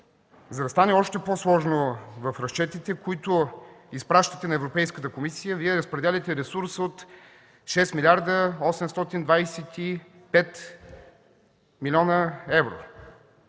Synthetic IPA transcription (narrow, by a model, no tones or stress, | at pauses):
zɐd̪ɐst̪anɛɔʃt̪ɛposlˠɔʒnovɐfɾɐst͡ʃɛt̪it̪ɛkoit̪ʊispɾaʃt̪ət̪ɛnɐɛvɾopɛjskət̪əkomisijəviɛɾəspɾɛd̪ɛlʲɐt̪ɛɾɛsuɾsot̪ | ʃɛst̪milʲaɾd̪əɔsɛmst̪ɔt̪ind̪vajsɛt̪i | pɛt̪ | milʲɔnəɛvɾo̰